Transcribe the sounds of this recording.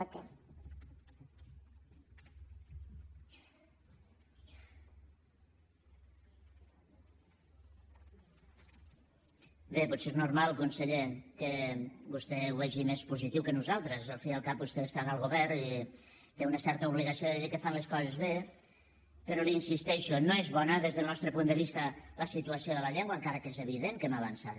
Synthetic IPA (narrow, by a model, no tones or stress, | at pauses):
kɛ | beputseeznuɾmalˠkunsəʎekəbust̪ɛuβɛʒimespuzit̪iwkənuzalˠt̪ɾəzalˠfiəlˠkap̚bust̪est̪analˠɣuβɛɾi | t̪eunəsɛɾt̪əuβ̞liɣasioðeðikəfanleskɔzezβe | pəɾoliinsist̪ɛʃunoezβɔnəðezðəlˠnɔst̪ɾəpund̪əβist̪ələsit̪uasioðələʎeŋɡwaŋkaɾəkezeβ̞iðeŋkemaβ̞ansat̪